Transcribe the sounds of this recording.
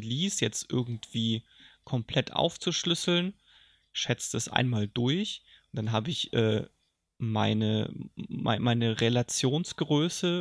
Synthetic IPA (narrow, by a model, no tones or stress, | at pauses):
liːsjɛt͡stʔɪɐɡŋ̩tv̥iːkʰɔmpʰl̥ɛtʔa̰ʊft͡suʃlʏsl̩n | ʃɛt͡sd̥asʔa̰ɪnmaːldʊɐçʊnd̥anɦaːbəɪçʔɛ̰ː | ma̰ɪnə̰ma̰ɪmaɪnəʁelat͡sjoːnsɡ̥ʁøːsə